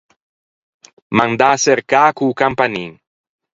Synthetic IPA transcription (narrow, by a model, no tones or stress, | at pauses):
mand̪aseɾkakukampaniŋ